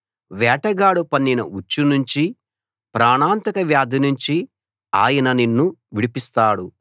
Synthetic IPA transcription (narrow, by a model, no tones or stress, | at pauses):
ʋɛːʈɐɡaːɽupɐnːinɐ̰ʔut͡ʃːunuɲt͡ʃi | pɾaːɳaːnt̪ɐkɐʋjaːd̪ʱinuɲt͡ʃi | aːjɐnɐninːuʋiɽipist̪aːɽu